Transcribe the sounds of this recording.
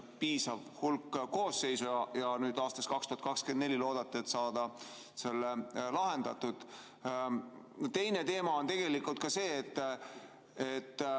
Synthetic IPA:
piːsɑvhulkːko̞ːsːe̞jsujɑjɑnyːd̪ɑːst̪ɑskɑkst̪uhɑt̪kɑkskend̪ne̞lʲilo̞ːd̪̥ɑt̪ːˑeet̪ːsɑːd̪̥ɑ | se̞lːelɑɦe̞nd̪̥ɑt̪ːud̪̥ | t̪e̞jne̞t̪e̞ːmɑo̞nt̪e̞ɡ̥e̞likult̪̚kɑse̞ːt̪ːˑ | et̪ː

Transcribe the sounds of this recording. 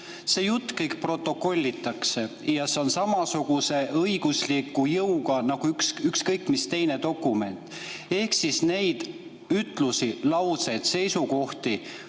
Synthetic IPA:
se̞ːjut̪ːˑkɤjkpro̞t̪ˑːo̞ko̞lʲːit̪ːˑɑkse̞ | jɑse̞o̞nsɑmɑsuɡ̥use̞ʔɤiɡ̥uslikːˑujɤwɡɑnɑɡ̥uyksykskɤjkːˑmist̪e̞jne̞d̪o̞kːˑume̞̰nt̪ˑe̞hksisne̞jd̪̥ | yt̪ˑlusilɑwt̪se̞jd̪̥se̞jsuko̞ht̪i

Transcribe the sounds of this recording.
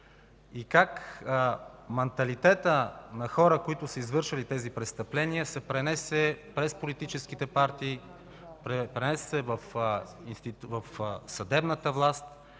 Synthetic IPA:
ikak | mɛnt̪ɐlit̪ɛt̪ənɐxɔɾəkoit̪ʊsɐizvɤɾʃəlit̪ɛzipɾɛt̪st̪ɐplɛnijəsɛpɾɛnɛsɛpɾɛspolit̪it͡ʃɛsk̟it̪ɛpaɾt̪iː | ɾɛpɾɛnɛssɛvɐfinst̪it̪vɐfsɐd̪ɛbnət̪əvlˠast̪

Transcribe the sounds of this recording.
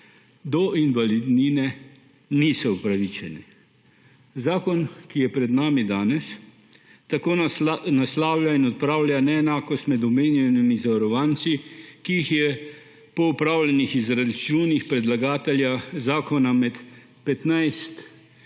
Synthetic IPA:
d̪ɔʔinʋalid̪ninɛ | nisɔupɾaʋit͡ʃɛnɛ | zaːkɔnkijɛpɾɛd̪naːmid̪aːnɛs | t̪akoːnaslaːwljainɔt̪̚pɾaːwlʲjanɛːnaːkɔst̪mɛd̪ɔmeːnjɛnimizaʋaɾɔʋaːnt̪sikiixjɛ | pɔupɾaːwlɛnixizɾad̪it͡ʃuːnixpɾɛd̪laɡaːt̪ɛljazaːkɔnamɛt̪ | pɛt̪najst̪

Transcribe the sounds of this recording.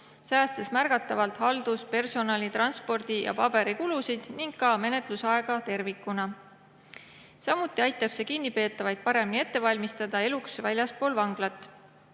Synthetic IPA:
sæːst̪esmærɡ̥ɑt̪ːˑɑvɑlt̪hɑld̪̥uspe̞rso̞nɑlʲit̪rɑnspo̞rd̪̥ijɑ̰pɑb̥e̞ɾikulusid̪̥niŋɡ̥kɑme̞ne̞t̪ˑlusɑe̞ɡ̥ɑt̪e̞rvikːˑunɑ | sɑmut̪ˑːiɑjt̪ːˑɑb̥se̞kinːipe̞ːt̪ːˑɑvɑjd̪̥̚pɑɾe̞minie̞t̪ˑːe̞vɑlʲmist̪ɑd̪̥ɑe̞luksvælʲjɑspo̞ːlvɑŋɡ̥lɑt̪ːˑ

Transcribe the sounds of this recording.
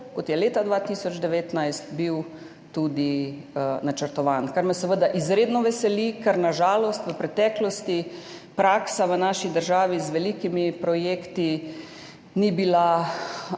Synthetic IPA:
kɔt̪jɛleːt̪ad̪ʋat̪isɔd͡ʒd̪ɛʋeːt̪najst̪biw | t̪ud̪i | nat͡ʃəɾt̪ɔʋaːnkaɾmɛsɛʋəd̪aʔizɾeːd̪nɔʋɛsɛlikəɾnaʒaːlɔst̪ʋəpɾɛt̪ɛːklɔst̪i | pɾaːksaʋənaːʃid̪əɾʒaːʋizʋɛlikimipɾɔjeːkt̪i | nibila

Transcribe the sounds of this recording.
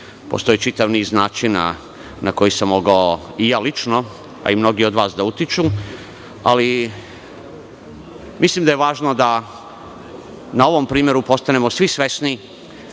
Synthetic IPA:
po̞̰st̪oit͡ʃit̪aʋniːznaːt͡ʃina̰ | nako̞jisamːo̞ɡaoijaːlit͡ʃno̞ | a̰imno̞ɡio̞d̪ʋaːsd̪aut̪it͡ʃu | a̰li | mʔislimd̪ajeʋaːʒno̞d̪a | nao̞ʋo̞mpɾiːmjeɾupo̞st̪ane̞mosʋisʋe̞sni

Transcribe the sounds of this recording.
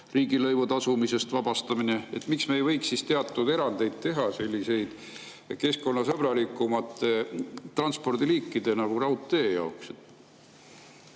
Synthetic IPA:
riːɡilɤjvut̪ɑsumise̞st̪vɑb̥ɑst̪ɑmineet̪ːmiksme̞ːjvɤ̞jksːist̪eɑt̪ːˑud̪e̞ɾɑnd̪e̞jd̪̥̚t̪e̞ɦɑse̞lʲːise̞jd̪̥ | ke̞sko̞nːɑsɤb̥rɑlikːˑumɑt̪ːˑe̞t̪ːrɑnspo̞rd̪iliːkːid̪̥e̞nɑɡ̥urɑuwt̪ːe̞ːjɑokset̪

